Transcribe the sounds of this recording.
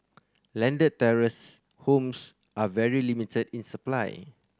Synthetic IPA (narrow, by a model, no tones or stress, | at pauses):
lɛ̃ndəd̚tɛɹəs | hõms | ʔavɛɹilimitʰədĩnsəplaj